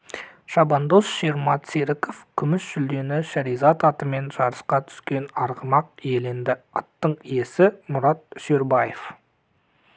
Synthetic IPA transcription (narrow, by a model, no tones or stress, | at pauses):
ʃɑbɑnd̪osʃeɾmɑt̪seɾɪkofkʲʰʏmɪsʒ̥ʏld̪e̞nɪʃæɾijzɑt̪ɑt̪əme̞nʒ̥ɑɾəsqɑt̪ʰʏ̥skʲe̞nɑɾʁəmɑq̚je̞lend̪ɪɑ̰t̪ːəɴije̞sɪmʊɾɑt̪̚ʃeɾbɑjef